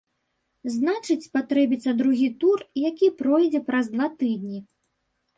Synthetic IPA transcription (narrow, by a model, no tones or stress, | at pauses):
znat͡ʂɨt͡sʲpat̪ɾɛbʲit̪sːɐd̪ɾuɣʲit̪urjakʲipɾɔjd͡zʲɛpɾɐzd̪vat̪ɨd̪̚ʲnʲi